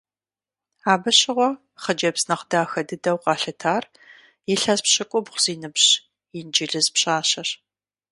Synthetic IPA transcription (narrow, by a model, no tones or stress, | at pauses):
aːbɨɕɪʁʷɔ | χəd͡ʒɐbsnɐχdaːxɐdɨdɐwqʼɑːɬɨtʰaːr | jɪɬɐzpɕɨkʷʼɔbχʷz̥iːnɨbɕ | jɪnd͡ʒɪɮɨzpɕaːɕɐɕ